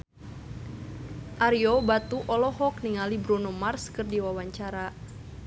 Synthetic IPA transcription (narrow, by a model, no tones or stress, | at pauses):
ʔaɾiɔbat̪uʔɔlɔɦɔk̚niŋalibɾunomarskɨrdiwawaɲt͡ʃaɾa